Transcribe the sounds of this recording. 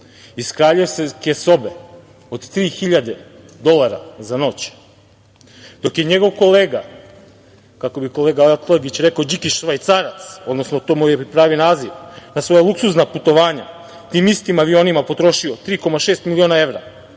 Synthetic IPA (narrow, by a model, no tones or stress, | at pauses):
iskɾaːʎujosekeso̞be | od̪t̪ɾiːxiʎad̪e | d̪o̞lˠaɾa̰zano̞t͡ɕ | d̪̥o̞kje̞ɲe̞ɡo̞ʋko̞leːɡa | kako̞biko̞leːɡaelt̪leɡit͡ɕɾe̞kaod͡ʑikiʃʋait̪saɾat̪sod̪no̞snot̪omujepɾaːʋionaːziʋnasʋo̞jalˠuksuznaput̪o̞ʋaːɲa | t̪iːmist̪imaʋio̞nimapo̞t̪ɾo̞ʃiot̪ɾiːko̞maʃeːst̪milio̞ːnae̞ʋɾa